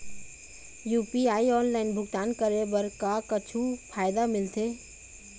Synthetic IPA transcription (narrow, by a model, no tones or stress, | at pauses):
juːpiaːiɔːnlaːɪnbʱʊɡt̪aːnkəɾebəɾkakət͡ʃʰupʰaːjd̪amɪlt̪eː